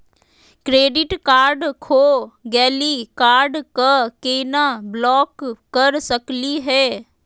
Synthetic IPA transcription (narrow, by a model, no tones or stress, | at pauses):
kɾeːɖɪʈkaːɾɖkʰoːɡɛːlikaːɾɖkəkeːnablɔːkːɐɾsəkliɦɛː